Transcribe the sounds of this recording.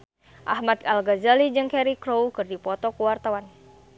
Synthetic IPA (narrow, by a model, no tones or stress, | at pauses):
ʔahmat̪̚alɡazalid͡ʒɨŋkɛɾikɾowkɨrdipɔt̪ɔkuwart̪awan